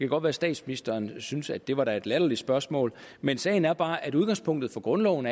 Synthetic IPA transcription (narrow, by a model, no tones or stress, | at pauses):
kʰæɡ̥ɒ̽d̥ʋæːɐsd̥ɛ̰ːd̥sminisd̥ɐːnsynsæd̥d̥e̝ʋɑ̈ɾæe̝d̥læɾ̥ɐli̥sb̥ɶɐsmɔ̰̽ːlmensɛ̰ːɪn̩æɐb̥ɑ̈ːʔæɾuð̞ˠɡ̥ɑ̈ŋspʰɔ̽ŋ̰d̥ð̩ˠfɒ̽ɡ̥ʁɔ̽nlɒ̰ʊn